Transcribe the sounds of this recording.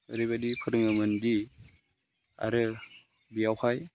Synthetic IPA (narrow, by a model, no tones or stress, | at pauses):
ɯɾɯβadipʰɯɾɯŋɯmɯndi | a̰ɾɯ | bijawhaj